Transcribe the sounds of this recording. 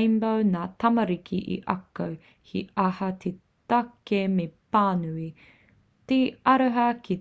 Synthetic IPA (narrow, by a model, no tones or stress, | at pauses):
mbownaːt̪ɐmɐɾikʰiʔḭʔɐ̰kow | hʰḭɐhɐtʰe | t̪ɐkemepaːnui | teɐɾəɦɐki